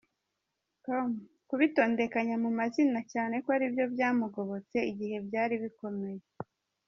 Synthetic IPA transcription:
tom | kuβito̞ːnde̞kaɲamumazinacaːne̞koaɾibjo̞bjaːmuɡo̞βo̞t͡se̞iɟihe̞bjaːɾiβiko̞me̞je

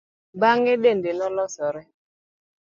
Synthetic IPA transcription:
baŋɪdendenɔlɔsɔɾɛ

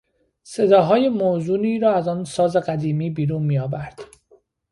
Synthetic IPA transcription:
se̞d̪ɒːɦɒːjemoːzuːniːɾɒːæzɒːnsɒːze̞ɢæd̪iːmiːbiːɾuːnmiːɒːbæɾd̪̥

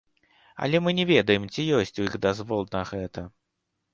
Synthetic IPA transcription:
ɐ̰lʲɛmɨnʲɪvʲed̪əjɪmt͡sʲɪjosʲtʲʊiɣd̪azvɔlˠnɐɣɛt̪ə

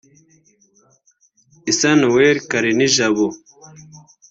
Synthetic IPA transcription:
isɐnweːɾkɐɾiniʒaβo

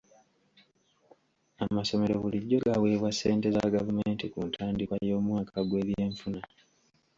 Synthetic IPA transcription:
amaso̞me̞ɾo̞βuliɟːo̞ɡaweːβwasːeːnte̞zaɡavumeːntikuntʰaːndikajo̞ːmwaːkʰaɡwe̞ːβje̞ːɱfuna

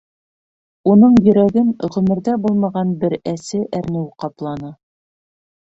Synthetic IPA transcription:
unɤɴjɵ̆ɾæɡɘnʁɵ̆mɘ̆ɾðæbulˠmɑʁɑnbɘɾæsɘʔæɾnɘwqɑplˠɑnɤ

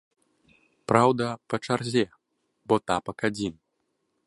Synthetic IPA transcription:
pɾawd̪ɐpɐt͡ʂarzʲɛ | bɔt̪apɐkad͡zʲin

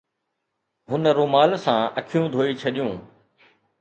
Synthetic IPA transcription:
ɦʊnɾoːmaːlsãɐkʰijũd̪ʱoːit͡ɕʰɐɗijũː

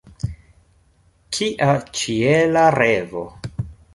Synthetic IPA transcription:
kʰiʔat͡ʃielaɾevo̰

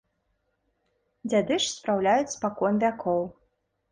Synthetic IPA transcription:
d͡zʲad̪ɨʂspɾawlʲajut͡sʲspakɔnvʲakʰɔw

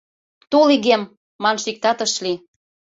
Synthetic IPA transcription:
t̪oliɣemː | ɑnʃik̚t̪ɑt̪ə̆ʃli

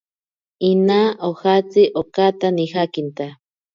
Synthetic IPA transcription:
inaʔohat͡siʔokat̪anixakint̪a

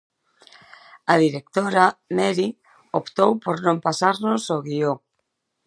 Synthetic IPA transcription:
að̞iɾek̚t̪oɾamɛɾi | opt̪owpoɾnõmpasaɾnosoɣio

